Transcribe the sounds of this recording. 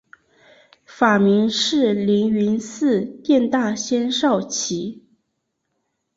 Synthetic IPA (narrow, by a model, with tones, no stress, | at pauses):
fa˨˩mi˧˥ŋʂɻ̩˥˩li˧˥ŋy˧˥nsɹ̩˥˧t̪jɛ˥˧nt̪a˥˩ɕjɛ˥nʂɑ˥˩ʊt͡ɕʰi˧˥